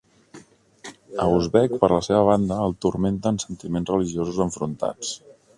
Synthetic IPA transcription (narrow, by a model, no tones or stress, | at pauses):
əuzβɛkpəɾləseβəβ̞and̪əːlˠt̪urment̪əːnsənt̪imenzrəliʒiozuzəɱfɾunt̪a̰t͡s